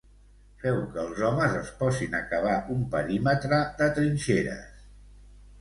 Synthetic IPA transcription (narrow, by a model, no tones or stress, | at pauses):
fɛwkəːlˠzɔməzəspɔsinəkəβ̞aʔumpəɾimət̪ɾəd̪ət̪ɾinʲʃeɾə̰s